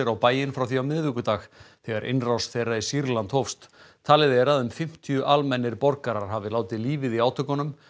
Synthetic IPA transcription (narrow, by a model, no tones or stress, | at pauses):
ɪɾawpaːjɪnfɾawθiawmɪððʏkʏt̪aːxθɛɣaɾʔɪ̰nrawst̪θɛjrːaisiɾlant̪hɔfst̪t̪ʰaːlɪðeɛɾaðʏmfɪm̥t̪ʰijʏʔalmɛnːɪɾpɔɾkaɾaɾ̥ɦavɪlaːwt̪ɪliːvɪðiaːwt̪ʰœkɔnʏm